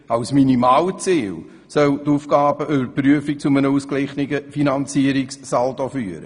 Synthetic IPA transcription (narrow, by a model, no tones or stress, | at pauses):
ɑʊsminimɑːwət͡siːl | sœlt̪uːfɡ̥ɑːbəʔʏbəpryəfik̚t͡sʊmənəuːsklɪχniɡəfinɑnt͡siəɾikssɑldofyːɾə̰